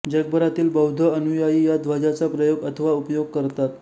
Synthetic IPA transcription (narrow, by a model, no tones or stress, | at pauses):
d͡ʑəɡbəɾat̪iːlbəwd̪ʱəənujajiːjad̪ʋad͡ʑat͡sapɾəjoɡət̪ʰəʋaupjoɡ̚kəɾt̪at̪